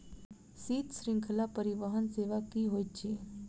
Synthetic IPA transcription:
siːt̪sɾɪ̃ŋkʰəlapəɾiʋəɦənseːʋakiɦoːit̪t͡ʃʰeː

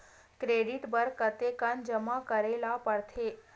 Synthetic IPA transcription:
kɾeɖiʈbəɾkət̪ekənd͡ʒəmakəɾelapəɽt̪ʰe

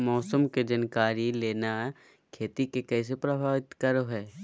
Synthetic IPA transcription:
mɔːsəmked͡ʒɐnkaːɾileːna | kʰeːt̪ikekɛːs̬epɾɐbʱaːʋɪt̪kəɾɦɛː

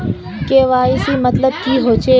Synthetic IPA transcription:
keːʋaːisimət̪ləbkiɦoːt͡ʃe

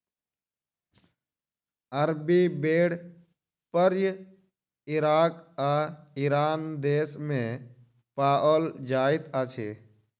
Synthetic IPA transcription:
əɾbibeɽ | pəɾjə | iɾakaiɾand̪esmẽ | paʔəld͡ʒait̪at͡ʃʰḛ

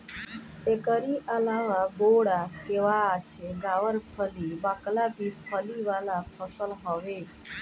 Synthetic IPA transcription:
ekəɾiʔəlaʋaboɽakeʋat͡ʃʰeɡaʋəɾpʰəliʋaklab̪ʱipʰəliʋalapʰəsəlɦəʋe

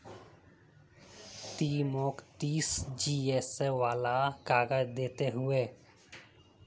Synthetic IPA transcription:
t̪iːmoːkt̪iːsd͡ʒiːeːsːeʋaːlakaːɡəd͡ʒd̪eːt̪eɦʊeː

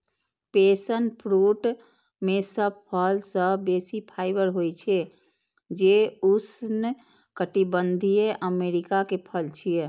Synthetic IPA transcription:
pesənpʰɾuʈ | mesəb̚pʰəlsəbesipʰaːɪbəɾɦojt͡ʃʰe | d͡ʒeusn | kəʈibənd̪ʱijeʔəmeɾikakepʰəlt͡ʃʰije

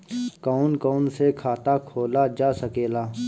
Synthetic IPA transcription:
kɔːnkɔːnsekʰaːt̪aːkʰoːlad͡ʒaːsəkeːlaː

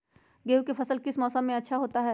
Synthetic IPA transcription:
ɡeːwkefɐsəlkɪsmɔːsə̃mːẽɐtːʃʰaɦoːt̪aɦɛː

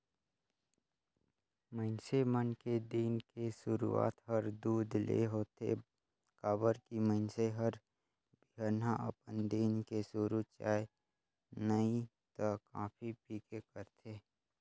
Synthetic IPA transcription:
məɪnsemənked̪iːnkesʊɾṵa̰ːt̪ɦəɾd̪uːd̪lḛɦoːt̪ḛ | kaːbəɾkiməɪnseɦəɾ | bɪɦəɾnaʔə̰pənd̪iːnkesuɾut͡ʃa̰ːe | nəĩ | t̪əka̰ːpʰipiːkekəɾt̪ʰeː

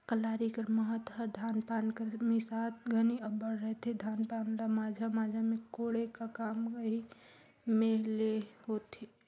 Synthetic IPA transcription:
kəlaːɾikəɾməɦət̪ɦəɾd̪ʱaːnpaːnkəɾmisat̪̚ɡʱəniəbəɽɾəɦt̪ʰed̪ʱaːnpanlamaːd͡ʒʱamaːd͡ʒʱamẽkoɽekakaːməɦi | meleɦot̪e

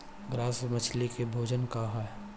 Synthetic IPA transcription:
ɡɾaːsmət͡ʃʰlikebʱoːd͡ʒənkaɦa

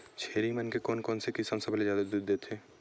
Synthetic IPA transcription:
t͡ʃʰeːɾimɐnkekɔːnkɔːnsekisə̃nsəblezjaːd̪ad̪uːd̪ːeːt̪ʰeː

